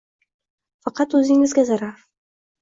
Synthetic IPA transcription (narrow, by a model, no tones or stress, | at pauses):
fɑqɑt̪ɵzɪŋɪzɡʲazaɾɑɾ